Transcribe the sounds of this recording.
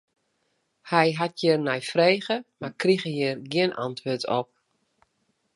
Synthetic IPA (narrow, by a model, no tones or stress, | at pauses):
hɛjɦatʰjɪrnɛjfreːɣəmarkriɣəjɪrɡiənʔa̰ntʰʋøːtʰɔp̚